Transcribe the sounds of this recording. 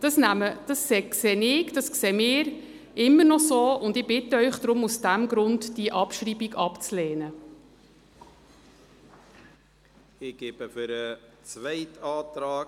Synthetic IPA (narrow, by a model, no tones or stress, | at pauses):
d̥ɑsnæməd̥ɑssɛːksɛːnɪɡd̥ɑskseːmɪːɾ | ʔɪmːənɔsoːʊndɪb̥ɪtːəœʏχd̥ɾʊmusd̥æmɡɾʊndd̥iʔɑpʃriːbiɡɑpt͡slɛːnə | ɪɡ̥eːbəfyɾət͡svɛɪtɑːt̪ɾaː